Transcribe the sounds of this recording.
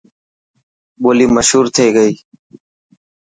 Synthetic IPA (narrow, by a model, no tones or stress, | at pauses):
boːliːməʃɦuːɾt̪ʰeːɡəiː